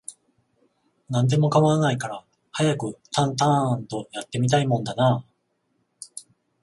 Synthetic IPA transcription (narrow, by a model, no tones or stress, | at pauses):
nãnd̪e̞mo̞kamanaikaɾa | hajakɯ̟t̪ʰãnt̪̬ãnt̪o̞jat̪ːe̞mʲit̪aimõ̞nd̪anaː